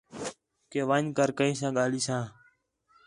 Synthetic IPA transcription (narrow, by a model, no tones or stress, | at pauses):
keːʋəɲkəɾkəĩːsãːɠaːliːsãː